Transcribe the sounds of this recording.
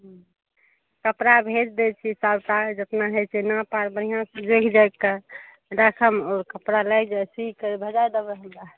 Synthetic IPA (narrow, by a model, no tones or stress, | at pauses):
ɦ | kəpɾabʱed͡ʒd̪et͡ʃʰisabʈad͡ʒət̪naɦɛt͡ʃʰɛnapaɾbənijãsə̃d͡ʒekʰd͡ʒajkə | ɾakʰəmɔːɾkəpɾalajd͡ʒajsikəɾibʱəd͡ʒajd̪əbəɦəld̪a